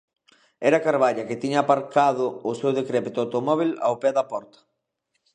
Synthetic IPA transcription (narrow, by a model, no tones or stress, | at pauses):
ɛɾakaɾβaʎɐkɪt̪iɲaːpaɾkað̞ʊːsewðekɾɛpit̪ʊawt̪omɔβ̞ila̰opɛðapɔɾt̪ɐ̥